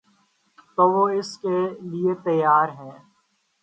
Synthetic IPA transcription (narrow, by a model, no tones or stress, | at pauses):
t̪oːʋoɪskeliet̪əjːaːɾɦɛ̃ː